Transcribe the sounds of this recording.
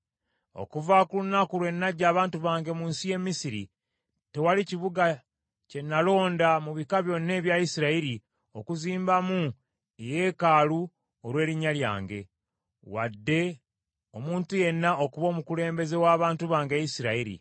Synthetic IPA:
o̞̰kuvakulunakulwe̞nːaɟaːβaːntuβaːŋɡe̞muːnsije̞misiɾḭ | te̞waliciβuɡa | ce̞nːalo̞ːndamuβikaβjo̞nːe̞ːβjajisiɾaiɾi | o̞kuziːmbamu | eje̞kaːlu | oɾwe̞ːɾiɲːalja̰ːŋɡe̞̰ | wa̰dːe̞ | omuːntuje̞nːao̞kuβo̞ːmukule̞ːmbe̞ze̞waːβaːntuβaːŋɡejisiɾaiɾḭ

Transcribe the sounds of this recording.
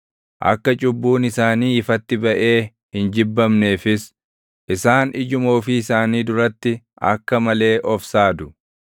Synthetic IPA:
ʔɐ̰kːɐt͡ʃʼʊbːuːnɪsaːniːɪfɐt̪ːɪbɐʔe̞ː | hɪnd͡ʒɪbːɐmne̞ːfɪs | ʔɪsaːnɪd͡ʒʊmoːfɪɪsaːniːd̪ʊɾɐt̪ːɪ | ʔɐ̰kːɐmɐle̞ːʔɔfsaːd̪ʊ̥

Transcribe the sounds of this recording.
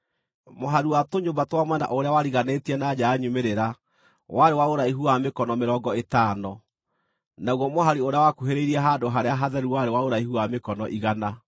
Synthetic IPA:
moɦaɾiwatoɲobatwamwɛna̰ʔoɾeawaɾiɣanetiɛnad͡ʑaːɲumeɾeɾa | waɾewaoɾaiɦuamekɔnɔmeɾɔːŋɡɔetaːnɔ | naɣwɔmoɦaɾioɾeawakuɦeɾeiɾiɛɦadoɦaɾeaɦaðɛɾuwaɾewaoɾaihuamekɔnɔʔiɣana

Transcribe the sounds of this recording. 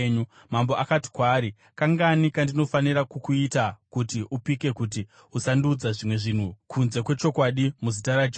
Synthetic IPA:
ɲu | mamboʔakati̥kwaːɾi | kaŋɡanikandino̞faniɾakukuitakutiʔupike̞kut̬i | usandud͡zaʐimwe̞ʐin̤ukʰunze̞kwe̞t͡ʃo̞kwaɗimuzitaɾad͡ʒ

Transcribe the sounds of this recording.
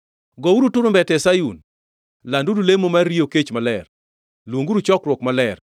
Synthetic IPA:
ɡɔuɾutʊɾʊmbɛtɛsajun | landudulemomarioket͡ʃmalɛr | lwoŋɡuɾut͡ʃɔkɾwɔkmalɛr

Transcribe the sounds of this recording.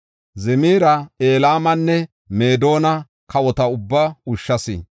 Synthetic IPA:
zɛmiːɾɐe̞ːlaːmɐnːɛ | me̞ːd̪o̞ːnɐ | kɐwɔt̪ɐʊbːaʊʃːɐsɪ̰

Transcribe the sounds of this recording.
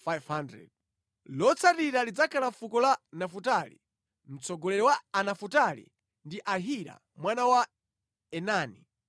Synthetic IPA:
fajvhandɾɛ̰d̚ | lɔt͡sʰaɾiɾalid͡zakʰalafukɔlanafutalḭ | m̩t͡sɔɡɔlɛɾɛwaːnafutalḭ | ndiʔaɦiɾa̰ | mwanawa | ɛnaːni

